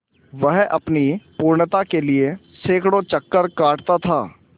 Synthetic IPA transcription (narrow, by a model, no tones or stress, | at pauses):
ʋɛɦʔɐ̰pnipuːɾɳt̪akelie | seːkɽot͡ʃɐkːəɾkaːʈt̪at̪ʰaː